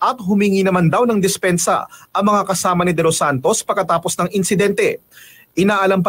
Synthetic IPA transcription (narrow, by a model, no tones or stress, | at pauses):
ʔɐt̪̚hʊmiːŋinɐmand̪ɐwnɐŋd̪ɪspɛnsɐ̰ʔɐŋmɐŋakɐsaːmɐnɪd̪ɛlosant̪o̞spɐɡkːɐt̪aːpo̞snɐŋɪnsɪd̪ɛnt̪ɛ | ʔɪnaːʔɐlɐmp̬ɐ